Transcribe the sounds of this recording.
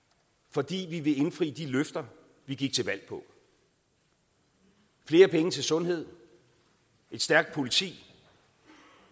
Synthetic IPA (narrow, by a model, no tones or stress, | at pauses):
fɒ̽d̥ḭːʋiʋe̝e̝nfʁḭːd̥iløfd̥ɐ | ʋiɡ̥iɡ̥̚t͡sʰe̝lʋæl̰pʰɒ̽ | fle̝ːɐpʰeŋət͡sʰe̝lsɔ̽nɦe̝ð̞̰ˠ | e̝d̥sd̥æɐɡ̥̚d̥̚pʰo̝lit͡sʰḭː